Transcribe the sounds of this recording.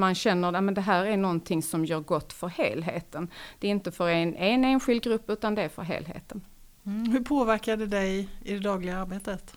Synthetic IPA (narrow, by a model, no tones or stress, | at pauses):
manɕɛnːəɾamɛnd̪ɛɦæːɾæɳɔnt̪ʰɪŋsɔmjœːɾɡɔt̪ːfœɾhḛːlɦeːt̪ənd̪̥ɛɪnt̪əfœɾenʔeːneːnɧɪld̪ɡɾɵpːʉ̟ːt̪and̪ɛæɾfœ̰ɾɦḛːlɦḛːt̪ən | hɵɾpʰoːvæɾkad̪ɛd̪ɛjɪd̪ɛd̪ɑːɡlɪɡaaɾbeːt̪ət̪